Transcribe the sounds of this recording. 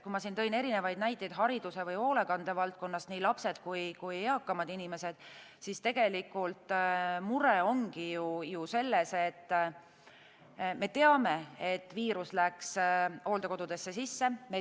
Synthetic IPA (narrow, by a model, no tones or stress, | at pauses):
kumɑsint̪ɤ̞jne̞ɾine̞vɑjd̪̚næjt̪ʲːˑed̪̥ɦɑɾid̪use̞vɯjo̞ːlekɑnd̪̥e̞vɑlt̪̚ko̞nːɑst̪niːlɑpse̞d̪̥kujkujɑkːɑmɑd̪inime̞se̞d̪̥ | sist̪e̞ɡ̥e̞likːˑult̪muɾeo̞ŋɡ̥ijujuse̞lːe̞set̪ː | me̞t̪e̞ɑme̞et̪ːˑviːɾuslækso̞ːld̪ɑkoud̪e̞sːe̞sisːe̞me